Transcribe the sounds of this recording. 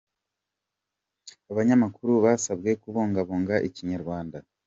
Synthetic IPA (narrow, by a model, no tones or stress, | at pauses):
aβaɲamakuɾuβasabɡe̞kuβoːŋɡaβoːŋɡaʔiciɲaɾɡwaːnda